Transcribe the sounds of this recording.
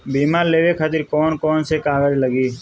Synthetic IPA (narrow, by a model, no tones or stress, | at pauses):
biːmaːɾleːʋekʰat̪ɪɾkɔːnkɔːnsekaːɡəd͡ʒləɡiː